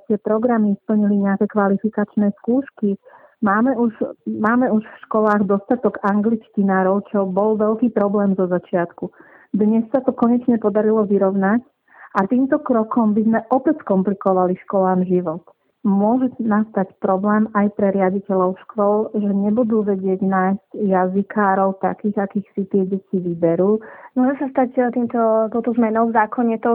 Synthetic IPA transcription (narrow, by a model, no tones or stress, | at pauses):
t̪ɪɛpɾɔɡɾamispl̩ɲiliɲɛakɛkʋalifikat͡ʃnɛːskuːʃkimaːmɛuʒmaːmɛuʃfʃkɔlaːɣd̪ɔst̪at̪ɔɡaŋɡlit͡ʃcinaːɾɔʊt͡ʃɔbɔlʋɛʎkiːpɾɔblɛːmzɔzat͡ʃɪat̪ku | d̪ɲɛsːat̪ɔkɔɲɛt͡ʃɲɛpɔd̪aɾilɔʋiɾɔʊnac | at̪iːmt̪ɔkɾɔkɔmbizmɛʔɔpɛcskɔmplikɔʋaliʃkɔlaːmʒiʋɔt̪ | mʊɔʒɛnast̪acpɾɔblɛːmajpɾɛɾɪaɟicɛʎɔʊʃkʋɔlʒɛɲɛbud̪uːʋɛɟɪɛɟnaːjzcjazikʰaːɾɔʊt̪akiːɣakiːxsit̪ɪɛɟɛcʰiʋibɛɾuːmʊɔʒɛsast̪act̪iːmt̪ɔt̪ɔʊt̪ɔzmɛnɔʊvzaːkɔɲɛt̪ɔ